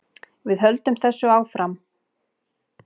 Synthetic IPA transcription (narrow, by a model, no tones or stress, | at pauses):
vɪðɦœlt̪ʏmθɛsːʏaːwfɾʔam